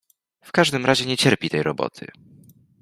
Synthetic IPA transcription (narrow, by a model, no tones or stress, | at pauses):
fkaʐd̪ɘmɾʔaʑɛɲɛt͡ɕɛɾpʲit̪ɛjɾɔbɔ̰t̪ʰɘ̰